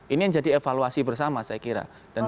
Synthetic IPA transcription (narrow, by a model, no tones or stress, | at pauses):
ʔiniɲd͡ʒadiefaluasibərsamasajakiɾa̰ | d̥an